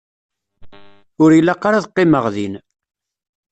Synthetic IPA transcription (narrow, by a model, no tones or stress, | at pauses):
ʊɾjilːaqːaɾaðəqːɪməʁðin